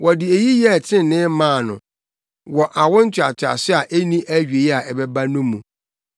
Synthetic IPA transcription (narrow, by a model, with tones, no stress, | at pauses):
wʔɔ˨dɪ˨e˨ji˦jɛ˦˨tʰɪ̃˦n˨nɪ̃˦mãː˦˨nʊ̰̃˨ | wɔ˨ʔa˨wʊ̃˦n̩˦t͡ɕʰᶣa̰˨t͡ɕʰᶣa̰˨sɪ˦a˨ʔe˦nĩ˦ʔæ˦ɥɥe˨i˦a˨ɛ˨bɛ˦ba˦nʊ̃˦mːũ˨